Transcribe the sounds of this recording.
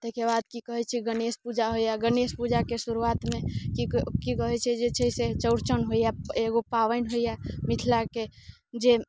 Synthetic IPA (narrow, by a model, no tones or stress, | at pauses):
t̪əkebad̪kikəɦɛt͡ʃʰɛɡənespud͡ʒaɦoijaɡənespud͡ʒakesuɾuat̪mẽkikikəɦɛt͡ʃʰɛd͡ʒet͡ʃʰəset͡ʃəʊɾt͡ʃənɦoijaeɡopaʋəɪnɦojamit̪ʰlake | d͡ʒe